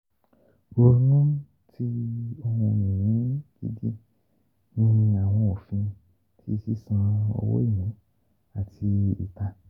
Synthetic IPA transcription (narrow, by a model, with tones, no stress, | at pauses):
o˧nũ˦ | tʰi˦o˧mɔ̃˧mĩ˨jĩ˨˦ɡ̥i˦di˦ | nĩ˦ĩ˧a˨w̃ɔ̃˧o˨fĩ˧ | tʰi˦˧si˦sã˧o̰˧wo̰˦i˦˨jã˨˦ | a˨tʰi˧ḭ˨ta˧